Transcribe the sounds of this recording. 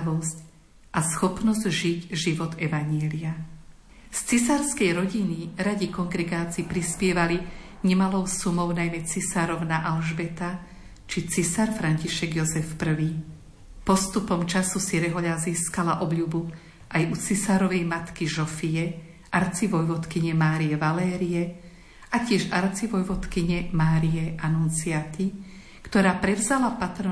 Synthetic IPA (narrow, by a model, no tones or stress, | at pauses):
ʋɔsc | ʔasxɔpnɔzʒiɟʒiʋɔt̪ɛʋaɲɪɛlia | st͡sisaɾskɛjɾɔɟiniɾaɟikɔŋɡɾɛɡaːt͡siːpɾispɪɛʋaliɲɛmalɔʊsumɔʊnajmɛt͡sisaɾɔʊnaʔalʒbɛt̪a | t͡ʃit͡sisaɾfɾanciʃɛɡjɔzɛfpr̩ʋiː | pɔst̪upɔmt͡ʃasusiɾɛɦɔʎaziːskalaʔɔbʎubu | ʔajut͡sisaːɾɔʋɛjmat̪kiʒɔfijɛ | ʔaɾt͡siʋɔjʋɔt̪kiɲɛmaːɾijɛʋalɛːɾijɛ | acɪɛʒaɾt͡siʋɔjʋɔt̪kiɲɛmaːɾijɛʔanunt͡siat̪i | kt̪ɔɾaːpɾɛʋzalapat̪ɾ